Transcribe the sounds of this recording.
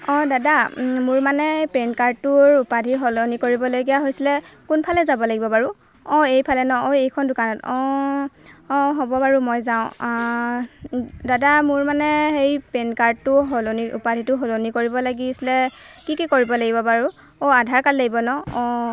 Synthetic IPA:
ɔ̃dadamʊɹmanɛpenkaɹdtʊɹupadʱiɦolonikoɹibɔlojɡijaɦojsilɛkunpʰalɛzabɔlaɡibɔbaɹu | ɔejpʰalɛnɔoejkʰɔndʊkanɔtɔ | ɔ̃ɦobɔbaɹumɔjzaʊ̃ | dadamʊɹmanɛxejpenkaɹd̚tʊɦoloniṵpadʱitʊɦolonikoɹibɔlaɡisilɛkikikoɹibɔlaɡibɔbaɹu | oadʱaɹkallaɡibɔnɔɔ

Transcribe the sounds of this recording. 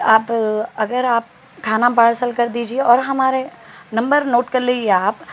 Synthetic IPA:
aːpɐɡəɾaːp̚ | kʰaːnap̬aːɽsəlkɐɾd̪iːd͡ʒieɔːɾɦɐmaːɾenɐ̃mbəɾnoːʈkɐɾliːd͡ʒieaːp

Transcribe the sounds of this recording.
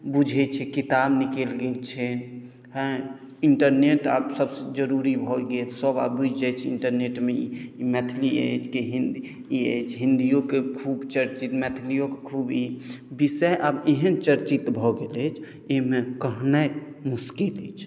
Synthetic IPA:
bud͡ʒʱɛt͡ʃʰɛkit̪abnikelɡelt͡ʃʰɛ | ɦɛ̃ | iɳʈəɾneʈa̰ːbsəbsed͡ʒəɾuɾibʱɔɡetsəba̰bbud͡ʒd͡ʒɛt͡ʃʰiɳʈəɾneʈmeimɛt̪ʰliə̰t͡ʃʰkiɦind̪ | iət͡ʃʰɦĩnd̪ijokekʰubt͡ʃəɾt͡ʃit̪mɛt̪ʰlijokekʰubibisɛʔabeɦənt͡ʃəɾt͡ʃit̪bʱɔɡelɛt͡ʃʰ | emekəɦnə | muskilɛt͡ʃʰ

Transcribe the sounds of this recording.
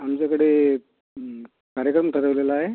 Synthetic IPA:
amt͡ɕjakəɽe | kaɾjəkɾəmʈʰəɾəʋlelaːɦe

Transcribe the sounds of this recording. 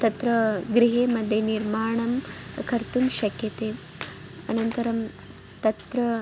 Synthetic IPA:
t̪ɐt̪ɾɐɡɾiɦeːmɐd̪ʱjeniɾmaːɳɐmkʰɐɾt̪umʃɐkjɐt̪eː | ɐnɐnt̪ɐɾɐm | t̪ɐt̪ɾɐ

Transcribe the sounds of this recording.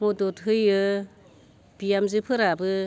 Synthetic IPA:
mɔdɔtɦɯjɯ | b̥ijamzɯpʰɯɾabɯ

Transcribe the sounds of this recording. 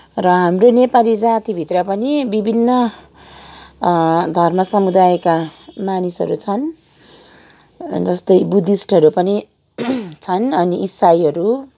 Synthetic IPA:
rʌɦamronepalid͡zat̪ibʱit̪rʌpʌnibibʱinːʌ | d̪ʱʌrmʌsʌmud̪ajkamanisʌ̰ɾut͡sʰʌn | d͡zʌst̪ʌjbud̪isʈʰʌɾupʌni | t͡sʰʌnʌniʔisajɦʌɾu

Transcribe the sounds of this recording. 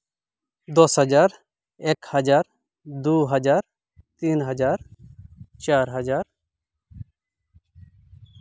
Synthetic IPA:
d̪ɔsɦəd͡ʒaːɾ | ekhəd͡ʒaːɾ | d̪uːɦəd͡ʒaːɾ | t̪iːnɦəd͡ʒaːɾ | t͡ʃaːɾɦəd͡ʒaːɾ

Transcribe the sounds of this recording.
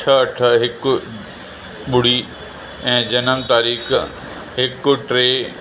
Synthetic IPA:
t͡ʃʰɐɐʈʰəɦɪk | ɓʊɽ̤iː | ɛ̃ːd͡ʑɐnəmt̪aːɾiːx | ɦɪkʈɾeː

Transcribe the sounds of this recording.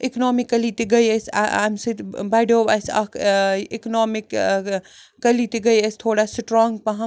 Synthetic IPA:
iknɔmikːɐlit̪iɡəjesa̰a̰msit̪baɖoba̰ːsɐ̰kiknɔːmikː | ɐlit̪iɡɐjesʲt̪ʰoːɽasʈɾɔːŋɡ̚pɐɦɐ̃

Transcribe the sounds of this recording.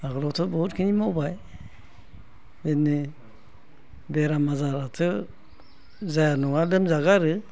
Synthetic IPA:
aɡɯlɔtʰɯbɔut̚kʰinimɔbaj | beni | beɾamazaɾatʰɯ | zajanɔŋadɯmzaɡaɾɯ

